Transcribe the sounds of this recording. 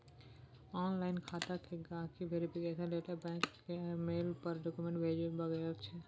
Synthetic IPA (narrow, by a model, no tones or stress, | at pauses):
ɔnlaɪnkʰat̪akeɡãkʰibʱeɾipiɡɛt͡ʃaleʈəbɛ̃kːemelpəɾɖɔkumẽɳʈbʱed͡ʒbəɡəlt͡ʃʰɛ